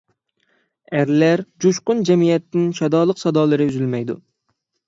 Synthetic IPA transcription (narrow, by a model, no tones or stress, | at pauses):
æɾlæɾd͡ʒuʃqʊnd͡ʒɛmijɛt̪ːɪnʃɑd̪ɑːlˠəqsɑd̪ɑːlˠɨɾɨyzylmɛjd̪ṵ